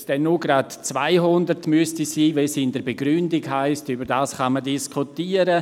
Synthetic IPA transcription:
d̥ɛnːuɡɾatt͡sva̰ɪɦʊndəɾtmyəstisiːvɛsɪndəɾbeɡɾʏndiɡɦaɪstybəɾdaːsχɑmədiskʰutiːəɾə

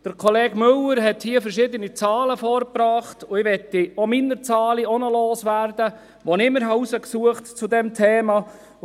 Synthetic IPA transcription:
d̥əɾkʰɔleːɡ̥mʏləɾɦɛthiːəfəɾʃɪd̪ənit͡sɑːləfɔːɾpɾɑːχtʊɪʋɛt̪ːiominəɾt͡sɑːliɔnəloːsʋæːrd̪ə | ʋonɪmːəɾɦɑusəksuəχtt͡sud̪ɛmt̪ʰeːmɑ

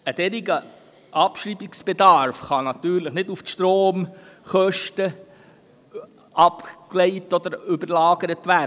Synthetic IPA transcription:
əd̥ɛɾɪɡə | ʔɑpʃɾiːbɪksb̥ɛdɑɾfχɑnɑt̪yːɾləχnɪduftʃtɾoːm | χœʃtə | ʔɑpkleɪtɔd̪əɾʏbəɾlɑːɡ̥əɾətʋæ

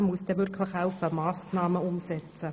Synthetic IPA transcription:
mʊsd̥ɛːvʏɾkʰləxhaʊfəmɑːsnɑːməʊmsɛt͡sə

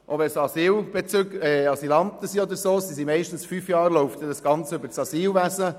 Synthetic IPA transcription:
ʔoʋɛsɑsiːwb̥et͡sʏɡɛɑsilɑnt̪əsiɔd̪əɾsoːsisimɛɪʃtən̩sfyfjɑːɾloʊft̪ədɑsɡ̥ɑnt͡sʉbəɾt͡sɑsiːlʋæsə

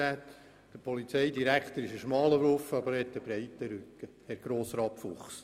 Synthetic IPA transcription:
æːt̪ | d̥əpʰɔlit͡sɛɪdiɾækt̪əɾɪʃəʃmɑːləbɾofəɑbəɾhɛt̪ːəb̥ɾɛɪt̪ːəɾʉkːə | hɛɾɡ̥ɾoːsɾɑːpfʊχs

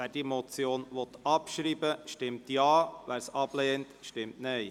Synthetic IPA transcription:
æːɾd̥imɔt͡sjoːnʋɔt̪ɑpʃɾiːbəʃtɪmtjɑːʋæːɾsɑb̥leːntʃtɪmtnœɪ

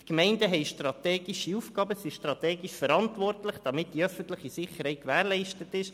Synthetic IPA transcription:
tkmɛɪndəɦɛɪʃtrɑtɛːɡ̥iʃiufɡɑːbəsiʃtɾɑt̪ɛːɡiʃfəɾɑntʋɔrtlɪχd̥ɑmɪt̚d̥iœfən̩t̪ləχisɪχəɾhɛɪtkʋæːɾlɛɪʃtətɪʃ

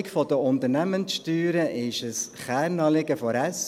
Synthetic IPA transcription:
ɪkfɔd̥əʊnt̪əɾnæmənsʃtyːɾəʔɪʃəsχæːɾnɑːlɪɡəfɔɾæs

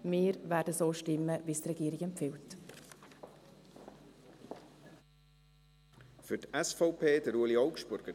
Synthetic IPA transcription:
mɪːɾvæːdəsoːʃtɪmːəvist̪rɛɡiːɾɪɡɛmpfɪlt | fʏtɛsfɔʊpʰeːdəɾuəliɔʊkʃbʊɾɡ̥ə

